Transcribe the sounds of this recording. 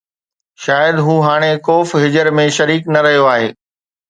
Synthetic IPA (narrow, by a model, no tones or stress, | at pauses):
ʃaːjəd̪ɦũːɦaːɽ̃ekoːfɦɪd͡ʑəɾmẽʃɐɾiːknɐɾɐɦijoaːɦḛː